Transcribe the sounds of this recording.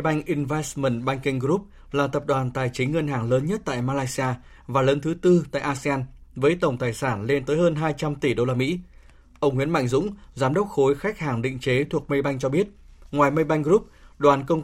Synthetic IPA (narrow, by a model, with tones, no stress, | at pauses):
jɓa˧jŋ̟ʔi˧nva˨˦˥jsmə˨˩nɓa˧jŋ̟ki˧ŋ̟ɾu˦˥p̚ | laː˨˩t̪ə˨˩p̚ɗwaː˨˩nt̪aː˨˩jt͡ɕï˨˦ŋ̟ŋə˧nɦaː˨˩ŋləː˨˦nɲə˦˥t̚t̪a̰ː˧˨jmaː˧laː˧jsi˧aː˧ | vaː˨˩ləː˨˦nt̪ʰɨ˨˦t̪ɨ˧t̪a̰ː˧˨jʔaː˧si˧aː˧nvəː˨˦jt̪ə˧˩wŋ͡mt̪aː˨˩jsaː˧˩nle˧nt̪əː˨˦jhəː˧nɦaː˧jt͡ɕa˧mt̪i˧˩ɗo˧laː˧mḭ˧˥ | ʔə˧wŋ͡mŋwḭ˧˥ənma̰˧˨jŋ̟zʊ̰˧˥ŋ͡mzaː˨˦mɗə˦˥wk͡p̚xo˨˦jxa˦˥jk̟̚haː˨˩ŋɗḭ˧˨ŋ̟t͡ɕe˨˦t̪ʰu˨˩ək̚mə˧jɓa˧jŋ̟t͡ɕɔ˧ɓi˦˥ət̚ | ŋwaː˨˩jmə˧jɓa˧jŋ̟ɣɾu˦˥p̚ɗwaː˨˩nkə˧wŋ͡m